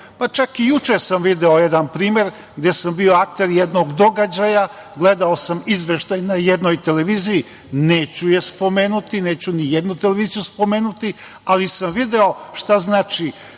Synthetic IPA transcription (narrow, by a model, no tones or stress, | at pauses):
pat͡ʃakijut͡ʃesamʋid̪eo̞jed̪anpɾiːme̞ɾ | ɡd̪e̞sambio̞ak̚t̪eɾjed̪no̞ɡd̪o̞ɡad͡ʑaja | ɡled̪aosamizʋeʃt̪ajnajed̪nojt̪e̞le̞ʋiːziji | neːt͡ɕuje̞spo̞me̞ːnut̪ineːt͡ɕunijed̪nut̪ele̞ʋiːzijuspo̞meːnut̪i | alisamʋid̪eo̞ʃt̪aznaːt͡ʃi